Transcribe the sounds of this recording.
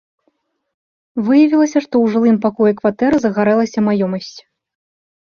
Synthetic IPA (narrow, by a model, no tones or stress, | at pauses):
vɨjɐvʲilˠɐsʲɐʂt̪ɔwʐɨlˠɨmpakɔjɛkvat̪ɛɾɨzɐɣaɾɛlˠɐsʲɐmajɔmɐsʲt͡sʲ